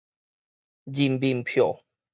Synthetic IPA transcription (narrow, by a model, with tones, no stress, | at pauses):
d͡ʑi˨˩mbi˨ŋpʰjɔ˨